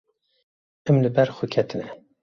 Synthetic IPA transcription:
ɛmlɨbɛɾxukʰɛt̪ʰɨnɛ

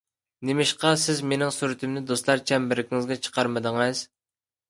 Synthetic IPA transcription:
nemɪʃqɑsɪzmenɪŋsyɾɪt̪ʰɪmnɪd̪ost̪lˠɑɾt͡ʃʰɛmbɪɾɪkʲʰiŋɪzɡʲɛt͡ʃʰə̥qʰɑɾmɨd̪əŋɨz̥

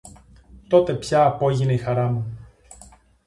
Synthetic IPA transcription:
t̪o̞t̪e̞pçɐːpo̞ʝineixɐɾɐmu

